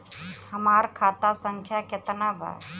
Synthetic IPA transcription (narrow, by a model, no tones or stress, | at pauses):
həmaːɾkʰaːt̪asə̃ŋkʰjakɪt̪nabʱa̰